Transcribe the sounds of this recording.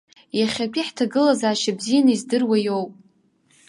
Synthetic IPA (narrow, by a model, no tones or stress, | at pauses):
jaχʲapʲʼiħtʰaɡɨlazaːʃabzijanɨizdɨrwajowpʼ